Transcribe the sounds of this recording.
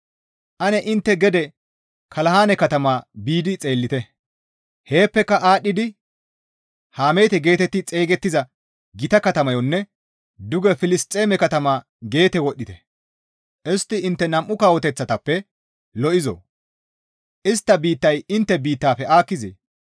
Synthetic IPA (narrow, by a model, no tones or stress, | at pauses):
ʔɐnɛʔɪnt̪ːɛɡɛd̪ɛ | kʰɐlɐɦaːnɛkɐt̪ɐmaːbiːd̪ɪt͡sʼe̞ːlːɪt̪ɛ | he̞ːpːɛkːɐʔaːɗːɪd̪ɪ | haːmejt̪ɛɡe̞ːt̪ɛt̪ːɪt͡sʼe̞ːɡɛt̪ːɪzɐ | ɡɪt̪ɐkɐt̪ɐmɐjɔnːɛ | d̪ʊɡɛfɪlɪst̪ʼːe̞ːmɛkɐt̪ɐmaː | ɡe̞ːt̪ɛwɔɗːɪt̪ɛ | ʔɛst̪ːɪɪnt̪ːɛnɐmʔːʊkaːwɔt̪ɛt͡sːɐt̪ɐpːɛ | lɔʔɪzo̰ | ʔɪst̪ːɐbiːt̪ːɐjɪnt̪ːɛbiːt̪ːaːpːɛaːkːɪzḛː